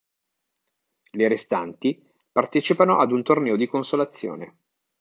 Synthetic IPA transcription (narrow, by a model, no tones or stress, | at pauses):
leɾest̪ant̪i | part̪ɛːt͡ʃipanoʔad̪unt̪ornɛːod̪ikonsolat̪sːjo̰ːne